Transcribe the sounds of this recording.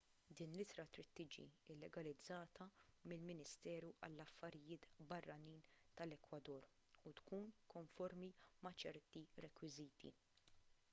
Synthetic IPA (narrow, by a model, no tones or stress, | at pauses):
d̪iːnlɪt̪ɾɐt̪ɾiːt̪ːiːd͡ʒḭɪlːɛɡɐlɪd͡zːɐːt̪ʰɐmɪlmɪnɪst̪ɛːɾuʔɐ̰lːɐfːɐɾɪjɪːt̪bɐrːɐniːnt̪ɐlɛkwɐd̪ɔːɾ | ut̪kuːnkɔɱfɔɾmimɐt͡ʃɛɾt̪iɾɛkwɪziːt̪ʰḭ